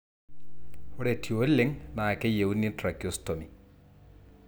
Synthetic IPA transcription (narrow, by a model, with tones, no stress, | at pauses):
o˦ɽetʰjo˦lːe˦ŋnaː˨kːe˦je˨wunːi˦tra˨kːjostomi˨